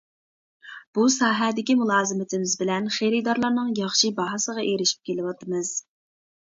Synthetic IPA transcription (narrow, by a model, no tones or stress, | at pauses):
b̥usɑːɦɛd̪ɪkʲimulˠɑːzɨmɪt̪ʰɪmɪzbɪlɛnχeɾɨd̪ɑɾlˠɑɾnɨŋjɑχʃibɑɦɑsəʁɑʔeɾɪʃi̥p̚kʲʰelɪwɑt̪ɨmɨz̥